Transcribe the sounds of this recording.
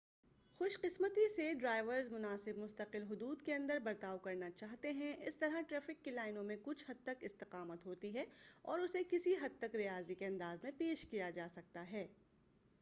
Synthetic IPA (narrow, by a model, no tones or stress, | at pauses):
xʊʃqɪsmət̪iseɖɾaːɪʋəɾzmʊnaːsɪb̚mʊst̪əqɪlɦʊd̪uːd̪keɐ̃nd̪əɾbɐɾt̪aːwkɐɾnat͡ʃaːɦt̪eɦɛ̃ʔɪst̪ɐɾaʈɾɛːfɪkːelaːɪnõmẽkʊt͡ʃʰɦɐd̪̚t̪ɐkɪst̪ɪqaːmət̪ɦoːt̪iɦɛɔ̰ːɾʊsekɪsiɦɐd̪̚t̪ɐkɾijaːzikeɐ̃nd̪aːzmẽpeːʃkijad͡ʒaːsɐk̚t̪aɦɛː